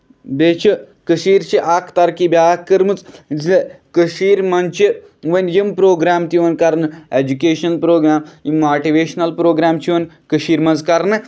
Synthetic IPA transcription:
b̪eːt͡ʃʰi | kəʃiːɾt͡ʃʰiʔakʰt̪ɐɾkibʲjaːkəɾmɨt͡szi | kəʃiːɾmɐnt͡ʃʰi | ʋɐnjimpɾoːɡɾaːmt̪iʋɐnkɐɾnɨeːd͡ʒukeːʃɐnɐlpɾoːɡɾaːmjimaːʈiʋeːʃnɐlpɾoːɡɾaːmt͡ʃʰiʋɐn | kəʃiːɾmɐnzkɐɾnɨ

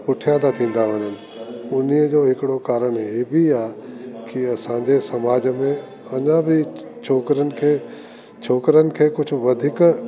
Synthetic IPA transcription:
pʊʈʰijãːd̪at̪ʰĩːn̆d̪aɦəɲənɪ̆ | ʊniəd͡ʒoːɦɪkɽokaːɾəɽ̃eːbʱiaːkiɐsãːɲd͡ʑesɐmaːd͡ʑmẽ | ɐɲãbʱi | t͡ʃʰoːkɾənɪ̆kʰeː | t͡ʃʰoːkɾənɪ̆kʰeːkʊt͡ʃʰʋɐd̪ʱɪk

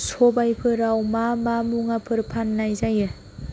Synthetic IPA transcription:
sɔbajpʰɯɾawmamamuŋapʰɯɾpʰanːajzajɯ

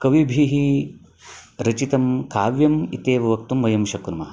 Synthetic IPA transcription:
kɐʋibʱiɦi | ɾɐt͡ʃit̪ɐmkaːʋjɐmit̪eːʋɐʋɐk̚t̪umʋɐjɐmʃɐkɾumɐɐ

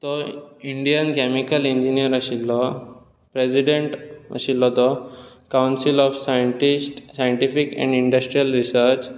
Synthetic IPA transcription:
t̪ɔiɳɖijənkɛmikəlĩɲd͡ʑinijəɾəɕilɔ | pɾesiɖẽɳʈə̰ɕilːɔt̪ɔ | kawnsilɔfsajəɳʈisʈsajəɳʈifikɛ̰̃ɳɖiɳɖəsʈɾijəlɾisəɾt͡ɕ

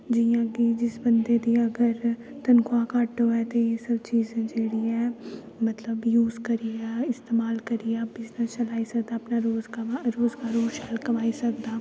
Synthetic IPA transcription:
d͡ʒijãkid͡ʒɪsbɐ̃nd̪ed̪iɐɡəɾ | t̪ɐnkʰoakaːʈoɦɛt̪ojesɐbt͡ʃiːzẽd͡ʒeːɽiɛː | mɐt̪ləbjuːzkɐɾiɛɪst̪eːmaːlkɐɾiɛbɪznəst͡ʃɐlaːisɐk̚d̪aɐpnaɾoːzkaɾoːzkaɾoːzt͡ʃaːlkɐmaːisɐkd̪aː

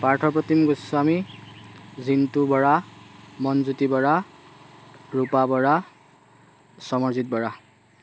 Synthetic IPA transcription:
paɹʈʰɔpɔt̪ʰimɡusami | zint̪ubɔɹamɔnzut̪ibɔɹa | ɹupabɔɹa | sɔmɔɹzit̪̚bɔɹa

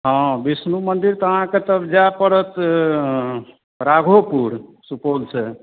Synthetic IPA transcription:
ɦɔ̃bisnumənd̪iɾt̪əɦãket̪əbd͡ʒapəɽət̪ | ɾaɡʱopuɾsupolsʰe

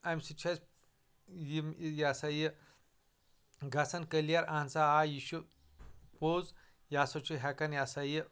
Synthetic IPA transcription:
ɐmʲsit͡ʃʰɐs | jimjasaji | ɡɐsɐnkəlijɐɾaːnt͡saaːjiʃu | poːz | jaːsɐt͡ʃʰuɦɛkɐnjasɐjə

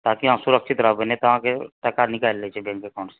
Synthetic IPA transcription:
t̪aːkiɦãsʊɾəkʃɪt̪ɾəɦbenẽt̪oɦãkeʈɛkanɪkaːlːet͡ʃʰebẽːŋkekɔːnse̥

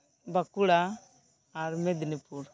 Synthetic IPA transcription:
bakuɽaː | ɾmed̪inipuɾ

